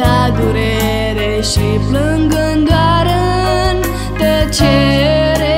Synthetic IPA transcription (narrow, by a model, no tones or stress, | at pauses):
ad̪uɾe | ɾe | ɕipləŋɡəŋɡaɾə | n | t̪ət͡ɕʰeɾe